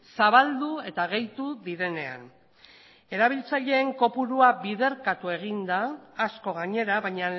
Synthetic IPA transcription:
saβald̪ue̞t̪aɣ̞e̞jt̪uðiɾe̞ne̞a̰n | e̞ɾaβ̞ilt͡saʎe̞ːŋko̞puɾuaβiðe̞ɾkat̪ue̞ɣ̞ind̪aːsko̞ɣ̞aɲe̞ɾaβajɲa

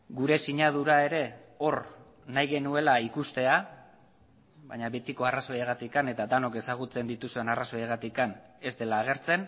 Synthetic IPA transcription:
ɡuɾe̞siɲað̞uɾae̞ɾe̞o̞r | najɣe̞nue̞laikust̪e̞a | βaɲaβe̞t̪iko̞araso̞jeɣat̪ikane̞t̪ad̪ano̞ke̞saɣ̞ut͡se̞nd̪it̪usue̞naraso̞jeɣat̪ikane̞zd̪e̞laːɣ̞e̞ɾt͡se̞n

